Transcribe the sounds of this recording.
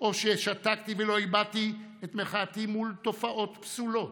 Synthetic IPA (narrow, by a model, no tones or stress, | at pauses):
ʔo̞ʃeʃat̪akt̪ivelo̞ibat̪i | et̪meχat̪imult̪o̞faʔo̞t̪psulo̞t̪